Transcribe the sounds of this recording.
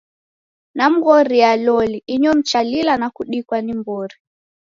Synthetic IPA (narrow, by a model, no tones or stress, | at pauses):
nam̩ɣɔɾialɔliiɲɔm̩t͡ʃalilanakuɗikwanimbɔɾi